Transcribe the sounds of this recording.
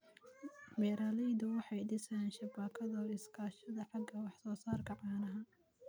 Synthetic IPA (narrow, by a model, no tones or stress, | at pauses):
bɛːɾaːlɛjðʊwɑħɑjd̪ɪsɐnʃɐbaːkʰɐðɔɪskʰaːʃɐðɐħɑɡɐwɑħsɔːsaːrkʰɐʕɑːnɐɦɐ